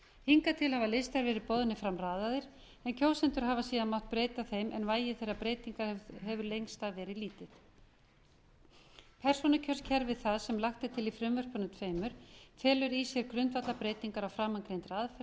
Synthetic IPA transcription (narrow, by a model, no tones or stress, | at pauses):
hiŋkat̪ʰɪlhavalest̪aɾvɛːɾɪpɔːðʏnɪfɾamraːðaðɪɾ̥ | ɛncʰoːwsɛnt̪ʏɾ̥ɦaːvasiːðanmawht̪pɾeːjt̪aθejmʔɛ̰nvaːjɪθejrapɾeːjt̪iŋkaɦɛvʏɾlejŋst̪aðvɛːɾɪðliːt̪ɪð | pʰɛr̥sɔnʏcʰœrscʰɛɾvɪðθaðsɛmlaxt̪ɪt̪ʰɪlifɾɪmvœr̥pʏnʏmt̪ʰveːjmʏɾ̥fʰɛːlʏɾisjɛɾkɾʏnt̪vat̪lapɾeːjt̪iŋkaɾawfɾaːmankɾejnt̪ɾaðfɛ